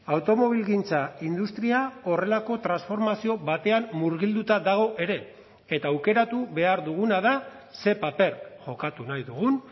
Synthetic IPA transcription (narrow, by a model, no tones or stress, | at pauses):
awt̪o̞mo̞β̞ilɣint͡saind̪ust̪ɾiao̞re̞lako̞t̪ɾansfo̞ɾmasio̞βat̪e̞ammuɾɣild̪ut̪aðaɣ̞o̞ʔe̞ɾe̞ | et̪aːwke̞ɾat̪uβe̞aɾðuɣunaða | se̞pape̞ɾʝo̞kat̪unajðuɣun